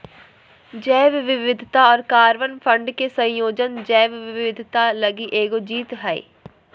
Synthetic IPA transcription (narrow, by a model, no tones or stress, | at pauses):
d͡ʒɛːʋʋɪʋɪd̪ʱt̪aɔːɾkaːɾʋənpʰə̃ɳɖkesɐ̃j̃joːd͡ʒənd͡ʒɛːʋʋɪʋɪʋɪd̪ʱt̪alɐɡiʔeːɡod͡ʒiːt̪ɦɛḭ